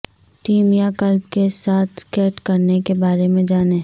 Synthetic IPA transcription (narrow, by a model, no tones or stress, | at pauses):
ʈiːmjakɐlb̚kesaːt̪ʰskɛːʈkɐɾnekebaːɾemẽd͡ʒaːneː